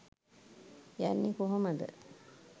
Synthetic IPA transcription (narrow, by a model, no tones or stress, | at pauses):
janːikoɦoməd̪ə̰